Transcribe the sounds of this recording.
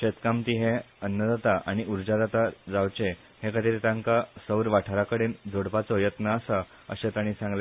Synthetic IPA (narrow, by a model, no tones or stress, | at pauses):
ɕet̪kamt̪iɦẽ | ənːəd͡z̪at̪aʔaɽ̃iuɾd͡ʑad͡zat̪ad͡zawt͡ɕe | hẽkət̪iɾt̪ãŋkasəwɾʋaʈʰaɾakəɽiːnd͡zoɽpat͡sɔjət̪nəːsa | ə̰ɕet̪aɽ̃ĩsãŋɡle